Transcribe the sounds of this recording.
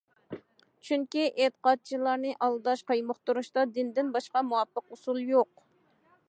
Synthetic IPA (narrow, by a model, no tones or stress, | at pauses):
t͡ʃʰyŋkʲiʔet̪ə̥qɑt̪̚t͡ʃʰilˠɑɾnɨʔɑlˠd̪ɑʃqʰəjmʊχt̪uɾuʃt̪ɑd̪ɪnd̪ɪnbɑʃqɑmuwɑpːəqusulˠjoq̚